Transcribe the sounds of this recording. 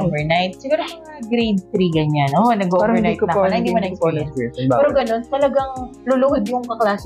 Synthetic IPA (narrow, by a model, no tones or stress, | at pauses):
ovɛɹnajt̪̚sɪɡuːɾoɐ | ɐɡɾejd̪̚t̪ɾiɡɐɲanʔonɐɡoɐɹɐjtk̪ɐkonɐɪnd̪iimɐnɐoɛːɾoɡɐno̞nt̪ɐlɐɡɐŋlʊlʊhɪd̪̚jʊŋkɐklaːs